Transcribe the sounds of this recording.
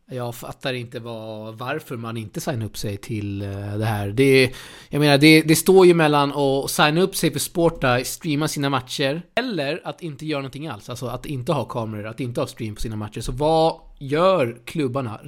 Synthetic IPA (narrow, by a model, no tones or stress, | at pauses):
jɑɡfa̰t̪ːaɾɪnt̪əvɑvaɾfœɾmanɪnt̪əsajnaɵpːsɛjt̪ʰɪld̪ɛɦæːɾɖ̪ɛ | jɑɡmeːnaɖɛd̪ɛst̪oːɾjɵmɛlːanɔsajnaɵpːsɛjfœspoːʈːast̪ɾiːmasiːnamat̪ʃəɾɛlːəɾat̪ɪnt̪əjœːɾanɔnt̪ɪŋːa̰lsalsɔat̪ɪnt̪əhɑːkʰɑːmɛɾəɾat̪ɪnt̪əhɑːst̪ɾiːmpʰɔ̥siːnamat̪ʂəɾʂɔvɑjœːɾkʰlɵbːaɳa̰